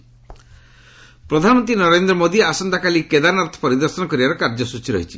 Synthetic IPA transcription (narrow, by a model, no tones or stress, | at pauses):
pɾɔd̪ʱanɔmɔnt̪ɾinɔɾend̪ɾɔmod̪iasɔnd̪ʱakaliked̪anaɾt̪ʰɔ̥pɔɾid̪ɔɾsɔnɔkɔɾibaɾɔkaɾd͡ʒɔsut͡ʃʰiɾɔ̰ɦit͡ʃʰi